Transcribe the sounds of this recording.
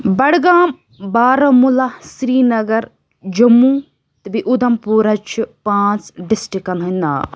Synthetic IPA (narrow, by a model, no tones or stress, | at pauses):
bɐɽɡaːm | baːɾɐmulɐsɾiːnɐɡɐɾ | d͡ʒɐmːu | t̪ɨbiʔud̪ɐmpuːɾɐt͡ʃʰipãːt͡sɖisʈikːɐnɦɐnd̪aː